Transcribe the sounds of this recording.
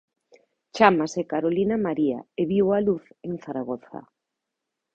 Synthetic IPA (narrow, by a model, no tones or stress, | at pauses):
t͡ʃamasekaɾolinamaɾia̰eβiwaluθeŋθaɾaɣ̞oθa̰